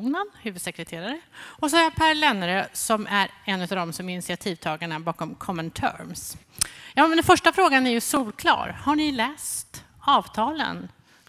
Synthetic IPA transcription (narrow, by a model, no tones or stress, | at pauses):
nənhʉ̟ːvɵd̪sɛkɾɛt̪ʰeːɾaɾəɔs̬ɔhaɾjapʰæːɾlɛnːɾøːsɔmʔæɾɛnːʉ̟t̪avd̪ɔmsɔmɪnɪsɪat̪ʰiːvt̪ʰɑːɡaɳabɑːkɔmkʰɔmːənt̪ʰœ̰ɾms | jɑːmɛnd̪ɛnfœʂʈafɾoːɡanæɾjɵsuːlkʰlɑ̰ːɾhaɳɪlɛːst̪ | ɑːvt̪ʰɑːlə̰n